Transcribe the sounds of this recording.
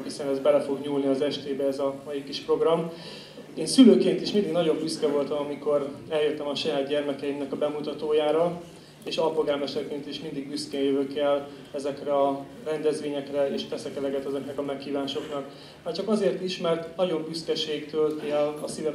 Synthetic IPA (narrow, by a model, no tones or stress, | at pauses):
hisɛnɛzbɛlɛfo̞ɡɲuːlniɒzɛʃt̪eːbɛɛzɒmɒjikiʃpro̞ɡrɒm | eːnsyløːkeːnt̪iʃmind̪iɡnɒɟo̞mbyskɛvo̞lt̪ɒmɒmiko̞rɛljøt̪ːɛmɒʃɒjaːd̪ɟɛrmɛkɛjimnɛkɒbɛmut̪ɒt̪oːjaːɾɒ | eːʃɒlpoɡaːlmɛʃt̪ɛrkeːnt̪iʃmind̪iɡbyskeːnjøvøkɛl | ɛzɛkrɛɒ | rɛnd̪ɛzʋeːɲɛkrɛeːʃpɛsɛkɛlɛɡɛt̪ɛzɛknɛkɒmɛkhiːvaːʃo̞knɒk | maːrt͡ʃɒkɒzeːrt̪iʃmɛrt̪nɒɟo̞mbyskɛʃeːkt̪ølt̪eɛlɒsivɛ